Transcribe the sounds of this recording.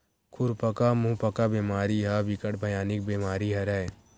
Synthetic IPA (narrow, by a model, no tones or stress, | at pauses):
kʰʊɾpɐkamũːpɐkabeːmaːɾiɦabɪkəʈ̚bʱɐjaːnɪk̚beːmaːɾiɦɐɾɛ